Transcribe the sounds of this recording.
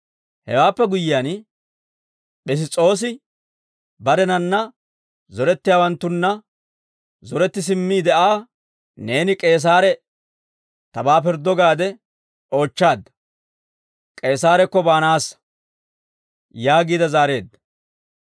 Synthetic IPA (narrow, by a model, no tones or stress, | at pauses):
hɛ̰waːpːɛɡʊjɪjan | ɓɪs̬ɪt͡sʼːo̞ːs̬ɪ | bɐd̪ɛnɐnːɐ | zɔɾɛt̪ːɪjaːwɐnt̪ːʊnːɐ | zɔɾɛt̪ːɪs̬ɪmːiːd̪ɛʔaː | ne̞ːnɪkʼe̞ːs̬aːɾɛ | t̪ɐbaːp̬ɪɾd̪ːɔɡaːd̪ɛ | o̞ːt͡ʃːaːd̪ːɐ | kʼe̞ːsaːɾɛkːɔbaːnaːs | jaːɡiːd̪ɐzaːɾe̞ːd̪ːɐ̥